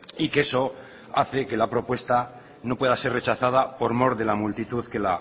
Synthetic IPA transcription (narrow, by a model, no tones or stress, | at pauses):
ike̞so̞ | aθe̞ke̞lapɾo̞pwe̞st̪a | no̞pwe̞ð̞ase̞ɾre̞t͡ʃaθað̞apo̞ɾmo̞ɾðe̞lamult̪it̪uðke̞la